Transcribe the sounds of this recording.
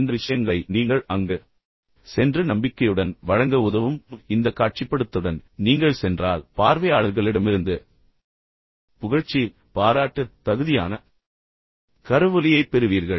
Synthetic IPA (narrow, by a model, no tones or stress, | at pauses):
nd̪ɐʋɪʂɐjɐŋɡɐɭɐɪniːŋɡɐɭɐŋɡɯ | sɛndrɯnɐmbɪkːɐjɯɽɐnʋɐɻɐŋɡɐʊðɐʋɯmɪnd̪ɐkːaːʈ̚t͡ʃɪpːɐɽɯt̪ːɯɽɐnniːŋɡɐɭsɛndraːlpaːɾʋɐjaːɭɐɾɣɐɭɪɽɐmɪɾɯnd̪ɯ | pʊɣɐɻt͡ʃːi | paːɾaːʈːɯt̪ɐɣɯðɪja̰ːnɐ | kɐɾɯʋɯlɪjɐɪpːɛɾɯʋiːɾɣɐɭ